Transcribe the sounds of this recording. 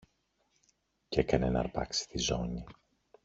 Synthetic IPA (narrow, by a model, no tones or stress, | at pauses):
cekɐne̞nɐɐ̰ɾpɐ̰ksi̥st̪izo̞ni